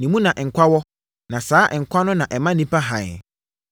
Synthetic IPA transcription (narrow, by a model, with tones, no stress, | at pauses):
nĩ˨mũ˦nã˨ʔŋ̩˨kʷʰa˦wɔ˦ | nã˨saː˨˦ʔŋ̩˨kʷʰa˦nʊ̃˦nã˨ʔɛ˨mã˦nĩ˦pa˦ɦã̰˨